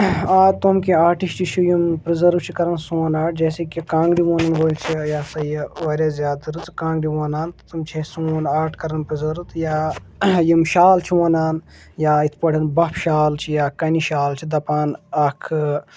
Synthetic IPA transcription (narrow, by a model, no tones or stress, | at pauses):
aːt̪omkĩaːʈisʈit͡ʃʰujumpɾizɐɾʋt͡ʃʰikɐɾɐnsũːnaːʈ̚ʰd͡ʒeːsikikãːŋɡɽiʋoːnɐnboːlt͡ʃʰijaːsɐjʋɐːɾʲjaːzʲjaːd̪ɐɾɨt͡skãːŋɡɽiʋoːnaːnt̪t̪umt͡ʃʰesũːnaːʈʰkɐɾɐnpɾizɐɾt̪jaːjimʃaːlt͡ʃʰiʋoːnaːn | jaːit̪ʰpɐɽʲɐnbɐpʰʃaːlt͡ʃʰijaːkɐniʃaːlt͡ʃʰid̪ɐpaːnɐkʰ